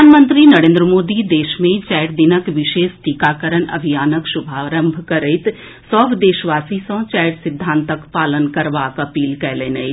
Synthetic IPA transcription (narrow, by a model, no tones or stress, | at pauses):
aːnmə̃nt̪ɾinɐɾẽːnd̪ɾəmoːd̪id̪eːʃmẽt͡ʃɛːjɾd̪ɪnəkʋɪʃeːst̪ikaːkəɾənɐ̰bʱijaːnəkʃʊbʱaːɾə̃mbʱkəɾet̪ | sɔbd̪eːʃʋaːsisɔ̃ːt͡ʃɛːjɾsɪd̪ʱːãːnt̪əkpaːlənkɐɾʋakɐpiːlkɛːleːnə